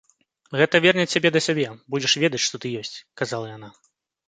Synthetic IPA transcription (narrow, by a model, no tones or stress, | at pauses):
ɣɛt̪ɐvʲɛrnʲɛabʲɛd̪ɐsʲabʲɛbud͡zʲɛʂvʲɛd̪ɐt͡sʲʂt̪ɔt̪ɨjɔsʲt͡sʲkazalˠɐjan̪a